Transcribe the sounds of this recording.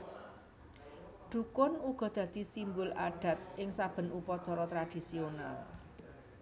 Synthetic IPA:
ɖ̪̥ṳkʊnuɡ̥ɔ̤d̪̥ä̤d̪̥i̤simbʊlaɖ̥a̤t̪̚ɪŋsab̥ə̤nupɔt͡ʃɔɾɔt̪ɾad̪̥i̤siona̰l

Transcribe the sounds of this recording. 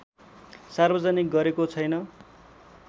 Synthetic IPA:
sarbʌd͡zanik̚ɡʌɾekot͡sʰʌjnʌ

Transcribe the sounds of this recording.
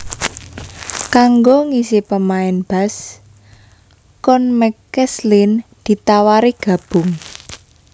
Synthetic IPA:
kaŋɡoŋisipəmaɪnb̥a̤s | kɔnmɛkɛslind̪̥i̤t̪awaɾiɡ̥a̤b̥ʊ̤ŋ

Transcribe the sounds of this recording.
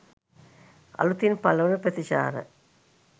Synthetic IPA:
ɐ̰lut̪ːinpɐlɐʋɐnɐpɐt̪iɕa̰ːɾɐ̰

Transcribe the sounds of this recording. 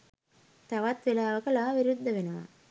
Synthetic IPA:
t̪aʋat̪ʋelaːʋəkəlaːʋiɾud̪ʱːɐʋenəʋa̰

